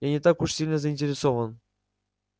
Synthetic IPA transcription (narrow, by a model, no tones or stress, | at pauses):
anʲet̪ɑkuʂsʲilʲnəzəinʲtʲeɾʲesovə̆n